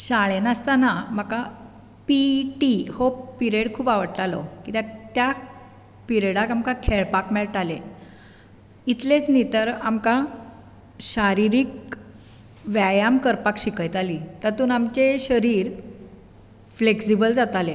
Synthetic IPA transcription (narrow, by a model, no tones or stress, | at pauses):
ɕaɭenəst̪anamaka | piʈihopiɾeɽkʰuːpaʋəɽʈ̪alɔ̰kit̪jat̪ja | piɾeɽakamkakʰeɭpakmɛɭʈale | it̪let͡snit̪əɾamka | ɕaɾiɾiːk̚ | ʋajamkəɾpakɕikəjt̪aliːt̪əɾt̪uːnamt͡ɕeɕəɾiːɾ | fleksibəld͡zat̪ale